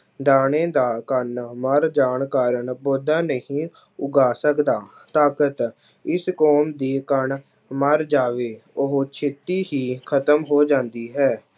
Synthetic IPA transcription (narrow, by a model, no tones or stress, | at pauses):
d̪aːɽẽːd̪aːkənməɾd͡ʒaːɳkaːɾəɳboːd̪aːnəɦĩː | ʊɡaːsəkd̪aː | t̪aːkət̪ | ɪskɔːmd̪iːkəɳ | məɾd͡ʒaːʋeːʊɦot͡ʃʰet̪iːɦiːkʰət̪əmɦoːd͡ʒãːnd̪iːɦɛː